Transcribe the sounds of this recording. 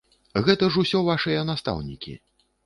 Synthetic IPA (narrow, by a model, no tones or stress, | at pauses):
ɣɛt̪ɐʐusʲɔvaʂɨjɐnast̪a̰wnʲḭkʲḭ